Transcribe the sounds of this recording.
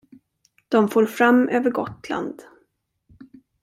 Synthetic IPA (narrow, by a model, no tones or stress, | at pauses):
d̪̥ɔmfoːɾfɾamːøːvəɾɡɔt̪la̰nd̪